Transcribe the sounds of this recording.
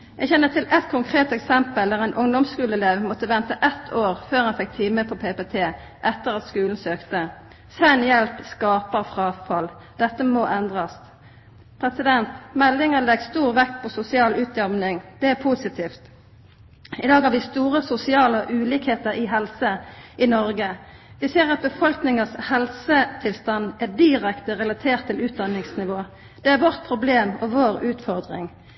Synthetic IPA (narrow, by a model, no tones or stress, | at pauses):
jæɡçɛnːət̪ʰɪlʔɛt̪kʰʊŋkʰʁeːt̪ɛksɛmpəld̪æːʁæɪnʔʊŋd̪ɔmskʉːləleːʋmɔt̪əʋɛnt̪əʔɛt̪ʰoːʁføːʁɑnfɛk̚t̪ʰiːməpʰɔpʰepet̪ʰeː | ʔɛt̪ːəʁɑt̪skʉːln̩søːkt̪ə | sɛnjɛlpskɑːpəʁfʁɑːfɑl | d̪̥ɛt̪ːəmoːʔɛnd̪ʁɑs | pʰʁɛsɪd̪ɛnt̪mɛlːɪŋəlɛɡst̪uːʁʋɛk̚t̪pʰɔsʊsɪɑːlʉːt̪̚d̪ɑʁmnɪŋd̪̥ɛæpʰusɪt̪ʰiːft̪ | ɪd̪ɑːɡhɑʁʋɪst̪uːʁəsʊsɪɑːləʔʉːliːkheːt̪əʁɪɦɛlsəʔɪnɔɾɡə | ʋɪseːʁɑt̪̚bəfɔlknɪŋəshɛlsət̪ʰɪlst̪ɑnæd̪ɪʁɛkt̪əʁɛlɑt̪ʰeːʁt̪ʰːɪlʉːt̪̚d̪ɑnːɪŋsnɪʋoː | d̪̥ɛæʁʋɔʁt̪̚pʰʁʊbleːmɔʋoːʁʉːt̪fɔʁd̪ʁɪ̰ŋ